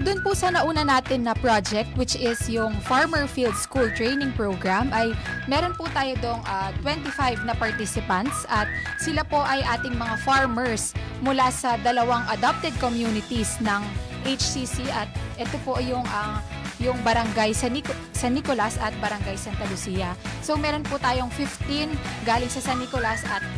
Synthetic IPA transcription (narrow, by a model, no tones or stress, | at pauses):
d̪ʊnpʊsɐnɐʔuːnɐnaːt̪ɪnːɐpɹad͡ʒɛk̚t̪wɪt͡ʃɪsjʊŋfaɹmɛɹfild̪skult̪ɹejnɪŋpɹowɡɹamʔɐjmɛɾo̞npʊt̪aːjod̪oʔoŋʔaːt̪wɛnt̪ifajvnɐpɐɹt̪isɪpɐnt̪sʔɐt̪̚sɪlapo̞ʔɐjʔaːt̪ɪŋmɐŋafaɹmɛɹs | mʊlasɐd̪ɐlɐwaŋʔɐd̪ap̚t̪ɛd̪̚komjunɪt̪isnɐŋ | ʔejt͡ʃsisiʔɐt̪̚ʔɛt̪opo̞ʔjʊŋʔɐjʊŋbɐɾɐŋɡajsɐnik | sɐnːikolɐsɐt̪̚bɐɾɐŋɡajsant̪ɐlʊsiːjɐso̞mɛɾo̞npʊt̪aːjo̞ŋfɪft̪inɡaːlɪŋsɐsɐnːikolɐsʔɐt̪̚